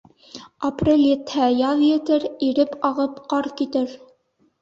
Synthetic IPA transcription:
ɐprʲelʲjɘt̪hæjɑðjɘ̆t̪ɘɾiɾɘpɑʁɤpqɑɾkit̪ɘɾ

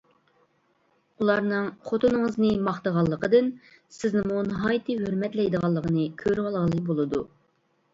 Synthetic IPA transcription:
ulˠɑɾnɨŋχot̪ʰunɨŋəznɨmɑχt̪əʁɑlˠːəqəd̪ɨn | sɪznɪmunəɦɑjt̪ʰɨɦøɾmɛt̪lɛjd̪əʁɑlˠːəqənɨkʲʰøɾʁɑlˠʁəlˠɨbolˠɨd̪u

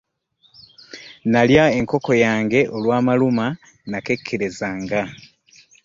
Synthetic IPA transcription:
naljae̞ŋko̞ko̞jaːŋɡe̞ʔo̞lwaːmaluma | nake̞kʰːeɾe̞zaːŋɡa

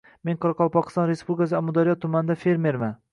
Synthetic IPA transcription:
meŋqʰɒɾɑqʰɒlˠpɒqʰɨ̥st̪ɒnɾespublʲɪkas̬ɪamʊd̪aɾijɒt̪ʰːʊmand̪afe̞ɾme̞ɾma

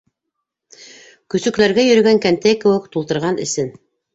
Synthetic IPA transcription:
kɵ̆sɵ̆klæɾɡæjɵ̆ɾɵ̆ɡæŋkænt̪ækɘ̆wɘkt̪ulˠt̪ɤ̆ɾʁɑnɘ̰̆sɘn

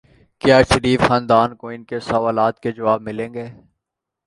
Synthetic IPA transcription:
kjaːʃəɾiːfxãːnd̪aːnkoɪnkesɐʋaːlaːt̪ked͡ʒɐʋaːb̚mɪlẽːŋɡeː

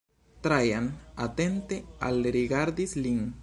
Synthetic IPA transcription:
t̪ɾajanat̪ent̪ea̰lɾiɡaɾd̪isliŋ

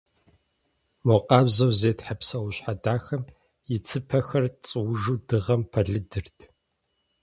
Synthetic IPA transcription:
moqʼɑːbzɐwzeːtħapsɐwʊɕħadaːxɐm | jɪt͡sʰɨpʰɐxɐrt͡sʼɨwʊʒuːdɨʁɐmpʰɐɮɨdɨrtʰ

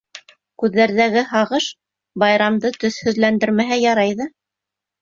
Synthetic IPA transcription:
kʉðːæɾðæɡɘhɑʁɤʃ | bɑjɾɑmd̪ɤt̪ɵ̆θhɵ̆ðlænd̪ɘ̆ɾmæɦæjɑɾɑjðɤ

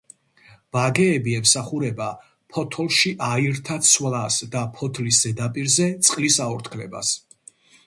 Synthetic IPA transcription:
v̥aɡɛːbiɛmsaχuɾɛba | pʰɔt̪ʰɔlˠʃiʔaiɾt̪ʰat̪sʰwlasd̪apʰɔt̪ʰliszɛd̪apʼiɾzɛt̪sʼqʼlisaɔɾt̪ʰkʰlɛ̰ba̰s

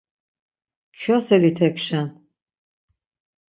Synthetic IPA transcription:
t͡ʃʰɔsɛlit̪ʰɛkʰʃan

